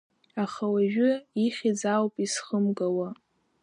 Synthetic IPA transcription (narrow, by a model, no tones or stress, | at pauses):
aχawaʒᶣʊiχʲid͡zawpʼisχəmɡawa